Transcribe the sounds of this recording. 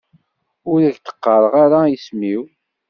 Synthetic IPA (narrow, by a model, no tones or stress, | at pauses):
ʊɾæçt̪ə̥qːəɾˤəʁaɾaismiw